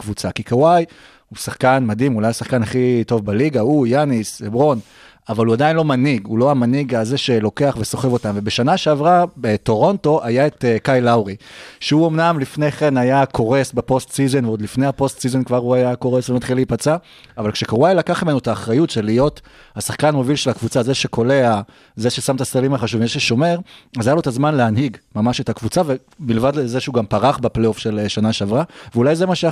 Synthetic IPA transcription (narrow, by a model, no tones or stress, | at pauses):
kvut͡sakikawaj | husaχkanmadimulajasaχkanaχito̞vbeliɡaujanisebʁo̞n | avaluadainlo̞maniɡulo̞ajamaniɡalze̞ʃe̞lo̞ke̞aχve̞so̞χe̞vo̞tamve̞be̞ʃanaʃeavʁabeto̞ʁo̞nto̞ʔajae̞tkajlawʁiʃeuo̞mnamlifneχenajakʰo̞ʁe̞sbepo̞stsize̞nveodlifne̞jhapo̞stsize̞nkvaʁuajako̞ʁesvemat̪χileipat͡seaː | valkʃekaʁajlakaχmimenuetaːχʁajutʃelijo̞t | hasaχkanmovilʃelhakvut͡sazeʃe̞kʰo̞le̞a | ze̞ʃesamt̪astalimaχaʃuvimzeʃeʃo̞me̞ʁazajalotazmanleanɦiɡmamaʃe̞takvut͡save | milevadleze̞ʃeuɡampaʁaχbeplejo̞fʃelʃanaʃeavʁaveulajzemaʃe